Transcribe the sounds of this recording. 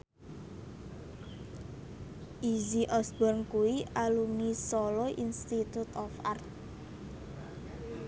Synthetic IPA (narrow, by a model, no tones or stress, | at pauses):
ʔiziʔɔsbɔrnkuwiʔalumisɔlɔʔinst̪it̪ut̪ɔfa̰rt̪̚